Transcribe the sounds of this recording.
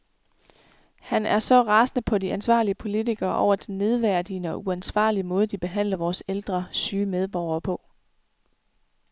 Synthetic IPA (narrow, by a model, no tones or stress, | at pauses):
hænæɐsɒ̽ʁɑ̈snəpʰɒ̽diʔænsʋɑ̰̈ːliəpʰo̝lit͡sʰiɡ̥ɐːʔɒ̰ʊ̰ɐd̥enːe̝ð̞ˠʋæɐ̰d̥inəɒ̽ʔuænsʋɑ̰̈ːliəmɔ̽ːð̞̩ˠəd̥ib̥e̝ɦæn̰lɐʋɒːseld̥ʁɐsyːmeð̞ˠb̥ɒʊ̰ɐːpʰɒ̽